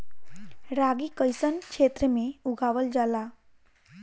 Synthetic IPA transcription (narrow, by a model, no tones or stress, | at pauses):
ɾaɡikəjsənkʂet̪ɾəmeuɡʱaʋəld͡zala